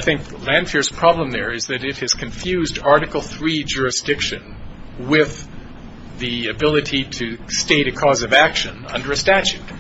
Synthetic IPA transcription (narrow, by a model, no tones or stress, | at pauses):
ɪθɪ̃ŋk | læ̃nd̥fiɹz̥pʰɹ̥ɑblə̃mðə˞ɪzðɨɾɪt̚hɨz̥kʰɨ̃ɱfjʉzdɑɹɾɨkl̩ˠθɹid͡ʒʊɹɨsd̥ɪkʃɨ̃n | wɪð | ðiɨbɪlˠɨɾiɾɨsteɪɾɨkʰɔzʌvækʃɨ̃nʌ̰̃ndə˞ɨstæt͡ʃʉt̚